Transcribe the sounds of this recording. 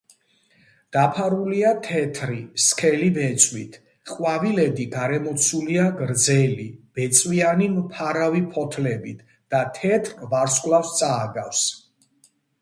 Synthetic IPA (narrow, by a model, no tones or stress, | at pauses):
d̪̥apʰaɾuliat̪ʰɛt̪ʰɾiskʰɛlibɛt̪sʼwit̪ʰ | χwavilɛd̪iɡaɾɛmɔt̪sʰuliaɡɾd̪zɛlib̥ɛt̪sʼwianimpʰaɾavipʰɔt̪ʰlɛbit̪ʰ | d̪̥at̪ʰɛt̪ʰɾvaɾskʼlˠafst̪sʼaːɡafs